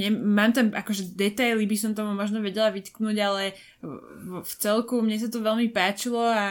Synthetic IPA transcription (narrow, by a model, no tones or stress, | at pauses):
ɲɛmaːmt̪anʔakɔʒɛd̪ɛt̪ajlibisɔmt̪ɔmumɔʒnɔʋɛɟɛlaʋit̪knuːɟalɛ | ft͡sɛlkumɲɛs̬at̪ɔʋɛlmipaːt͡ʃilɔa